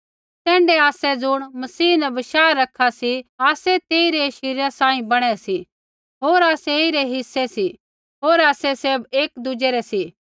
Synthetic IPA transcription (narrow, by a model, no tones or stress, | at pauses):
t̪ɛ̃ːɳɖɛaːsɛd͡zʊɽ̃mɐsiːnɛbɐʃaːɾɐkʰːasiaːsɛt̪eːiɾɛʃɪɾjasãːĩbɐɽ̃ɛsi | ɦoːɾaːseiɾɛɦɪsːɛsi | ɦoːɾaːsɛseːbeːkd̪ʊd͡ʒɛɾɛsi